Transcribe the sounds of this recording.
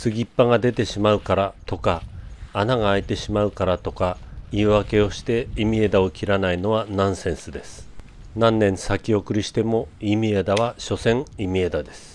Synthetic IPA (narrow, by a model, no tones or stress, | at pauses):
sɨɡʲipːaɡad̪e̞t̪e̞ɕimaɯ̟kaɾat̪o̞kaːnaɡaːit̪e̞ɕimaɯ̟kaɾat̪o̞kaiɯβake̞o̞ɕi̥t̪e̞imʲie̞d̪ao̞kʲiɾanaino̞βanãɰ̃sẽ̞ɰ̃sɨd̪e̞sɨ̥ | nãnːẽ̞ɰ̃sakʲio̞kɯ̟ɾʲiɕi̥t̪e̞mo̞imʲied̪aβ̞aɕo̞sẽ̞ŋimʲie̞d̪ad̪e̞sɨ̥